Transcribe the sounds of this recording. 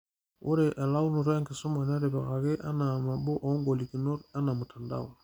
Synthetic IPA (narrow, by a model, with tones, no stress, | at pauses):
wʔo̰˦ɾe˨ʔa˨la˦u˦nu˨ɾa˦ŋki˨su˦ma˨na˦ɾe˨ba̰˨ɣa˨ɡe˦ʔa̰˦na˨ma˨bo˦ʔɔ˨˦ŋɡo˨li˨ki˨no˦ɾa˦na˨mu˨ta˨nda̰˦˨wa˨